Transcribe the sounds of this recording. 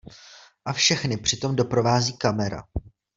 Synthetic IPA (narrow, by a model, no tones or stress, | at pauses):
ʔafʃɛxnɪpr̝̥ɪt̪o̞mdo̞pɾo̞vaːziːkamɛɾa̰